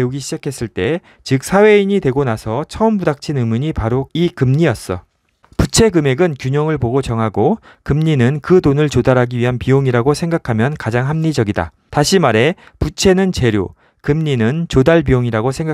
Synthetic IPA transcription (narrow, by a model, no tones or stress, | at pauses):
euɡiɕʰid͡ʑakʰe̞s͈ɯɭt͈e̞ | t͡ɕɯk̚sʰawe̞iɲidwe̞ɡonasʰʌt͡ɕʰʌɯmbudak̚t͡ɕʰinɯmɯɲipaɾoikɯmɲiʌs͈ʌ̰ | put͡ɕʰe̞ɡɯme̞ɡɯnkjuɲʌŋɯɭpoɡot͡ɕʌŋɦaɡo | kɯmɲinɯnkɯtonɯɭt͡ɕodaɾɦaɡiɥiɦanpioŋiɾaɡosʰeŋɡakʰamjʌnkad͡ʑaŋɦamɲid͡ʑʌɡida̰ | taɕʰimaɾe̞ | put͡ɕʰe̞nɯnt͡ɕe̞ɾjo̰ | kɯmɲinɯnt͡ɕodaɭbioŋiɾaɡosʰe̞ŋɡa